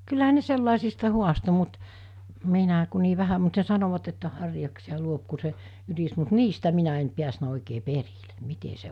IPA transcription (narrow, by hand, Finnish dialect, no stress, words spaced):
kylːæɦæ ne selːɑˑesistɑ huɑsto mut minæˑ ku niː ʋæhæ mut ne sɑnoʋɑt etːæ hɑrjɑksiɑ luop ku se ynis mut niːstæ minæ en piæsnæ oˑikeː perile̥ mite se